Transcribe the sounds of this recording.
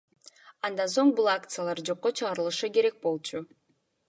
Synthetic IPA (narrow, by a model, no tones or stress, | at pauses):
ɑnd̪ɑnso̞ɴbulˠakt̪sɨjalˠɑɾd͡ʒo̞qːo̞t͡ʃʰɯʁɑɾɯlˠɯʃɯke̞ɾe̞k̚bo̞lˠt͡ʃʰu